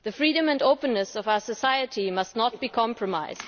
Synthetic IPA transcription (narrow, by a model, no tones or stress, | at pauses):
ðɨfɹiːɾə̃mæ̃ndoʊpə̃nːɨsʌvaʊəsɨsaɪɨtimʌstⁿnɔt̚b̥iːkʰɑ̃mpʰɹɔma̰ɪzd